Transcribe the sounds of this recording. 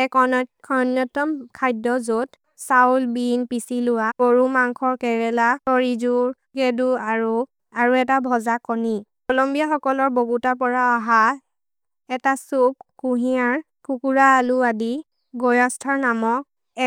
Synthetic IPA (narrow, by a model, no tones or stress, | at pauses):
ɛkɔkʰɔnjɔtɔmkʰajdɔzot | sawlbinpisilʊwaoɹumaŋkʰɔɹkɛɹɛlatɔɹizuɹ | keduaɹu | aɹuɛtabʱɔzakɔnikɔlɔmbiaxɔkɔlɔɹboɡutapɔɹaːɦa | ɛtasup̚kuɦiaɹ | kukuɹaːluadi | ɡɔjɔstʰaɹnamɔ | ɛ